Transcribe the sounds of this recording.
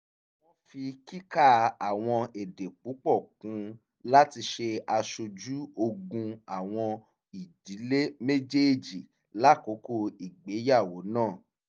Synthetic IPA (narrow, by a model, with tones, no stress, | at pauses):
wɔ̃˦fi˧ki˦ka˦˨a˨w̃ɔ̃˧e˨de˨k͡pu˨˦k͡pɔ˦˨kũ˨˦ | la˦ti˧ʃe˧a˧ʃo˧d͡ʒu˦o˧ɡũ˧a˨w̃ɔ̃˧ | i˨di˨˦le˦me˦d͡ʒe˦˨d͡ʒi˦˨ | la˦˨ko˨˦ko˦i˨ɡ͡be˨˦ja˦˨wo˨˦nãː˦˨